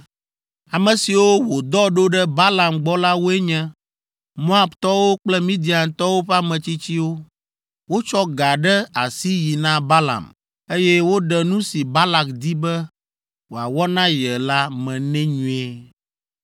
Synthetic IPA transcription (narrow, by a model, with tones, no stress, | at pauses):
a˨mɛ̃˨si˨wo˦wo˨d̪ɔ˦ɖo˦ɖɛ˦ba˦la˨mɡ͡bɔ˦la˦wo˦ɛ˦ɲɛ̃˦ | mo˦a˨bt̪ɔ˦wo˦k͡plɛ˦mĩ˦d̪i˨a˨nt̪ɔ˦wo˦ɸɛ˦a˦mɛ̃˨t͡ɕi˦t͡ɕi˦wo˦ | wo˦t͡ʃɔ˦ɡa˨ɖɛ˦a˨si˦ji˨nã˦ba˦la̰˨m | e˦jɛ˦wo˦ɖɛ˨nũ˦si˨ba˦la˨kd̪i˦bɛ˦ | wo˨a˨wɔ˦nã˦jɛ˨la˦mɛ̃˨nɛ̃˦ɲũ˦e˦